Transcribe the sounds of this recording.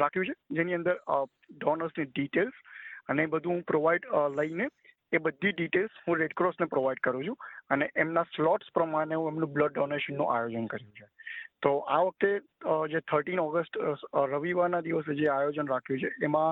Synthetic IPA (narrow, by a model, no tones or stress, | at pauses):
ɾakʰjũt͡ʃʰed͡ʒeniənd̪əɾ | ɖɔnəɾsniɖiʈelsənebəd̪ʱũɦũpɾoʋaiɖləineː | bəd̪ʱːiɖiʈelshũɾeɖkɾɔsnepɾoʋaiɖkəɾũt͡ʃʰũəneʔemnaslɔʈspɾəmaɳ̃eɦũemnũbləɖ̚ːɔneʃənːṵ̃ʔajod͡ʒənkəɾjũt͡ʃʰet̪oʔaʋək̚t̪ed͡ʒet̪ʰəɾʈinɔɡəsʈɾəʋiʋaɾnad̪iʋəsed͡ʒeajod͡ʒənɾakʰjũt͡ʃʰeʔːmã